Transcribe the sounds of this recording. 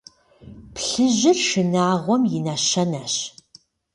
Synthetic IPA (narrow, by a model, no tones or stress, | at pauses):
pɬɨʑɪrʃɪnaːʁʷɔmjɪnɐʃɐnɐɕ